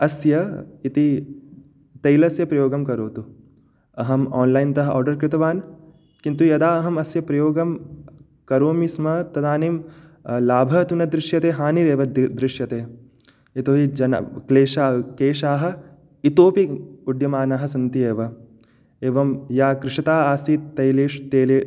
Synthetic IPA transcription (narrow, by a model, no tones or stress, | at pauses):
ɐsjɐit̪i | t̪ɐjlɐsjɐpɾɐjoːɡɐmkɐɾoːt̪u | ɐɦɐmɔːnlaːjnt̪ɐɦɐɔ̰ːɾɖɐɾkɾɪt̪ɐʋaːn | kint̪ujɐd̪aːɐɦɐmɐsjɐpɾɐjoːɡɐm | kɐɾoːmismɐt̪ɐd̪aːnim | laːbʱɐt̪unɐd̪ɾɪʃjɐt̪eːɦaːniɾeːʋɐd̪ɾɪʃjɐt̪eː | it̪oːɦid͡ʒɐnɐ̰kleːʃakeːʃaːɦɐ̆ | it̪oːpiud̪jɐmaːnɐɦɐ̆sɐnt̪ieːʋɐ | eːʋɐmjaːkɾɪʂɐt̪aːaːsit̪ɐjleːʃt̪eːleː